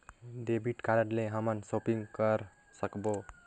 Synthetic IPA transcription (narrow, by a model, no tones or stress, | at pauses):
ɖebʱiʈkaɾʌʈleɦʌmʌnsopiŋkʌɾ | sʌkbo